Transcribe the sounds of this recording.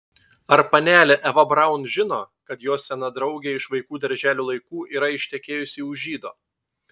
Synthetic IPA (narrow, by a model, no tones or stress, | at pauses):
ɐɾpɐnʲæːlʲɛʔɛʋɐbɾɑˑʊnʒʲɪnoːkɐt̪joːsʲɛnɐd̪ɾɒʊɡʲeːɪʃʋɐɪkuːd̪ɐɾʲʒʲæːlʲuːlˠɐɪkuːʔiːɾɐɪʃʲt̪ʲɛkʲeːjʊsʲɪʊʒʲiːd̪oː